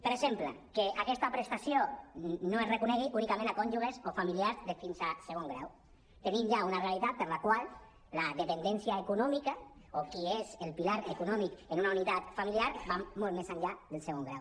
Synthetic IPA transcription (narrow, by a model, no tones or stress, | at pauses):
pəɾesemplḛkeʔakɛst̪apɾest̪asjonoezrekunɛɣiʔunikamẽnakɔɲʲʒuɣ̞ezofamiliaɾzðefinzaseɣoŋɡɾa̰w | t̪enimʒaunarealit̪at̪̚pəɾlakwalˠ | laðepend̪ɛnsjaekunɔmikaokiezelpilaɾekunɔmikenunaunit̪at̪familiaɾbamolˠmezaɲʎaðelˠseɣoŋɡɾa̰w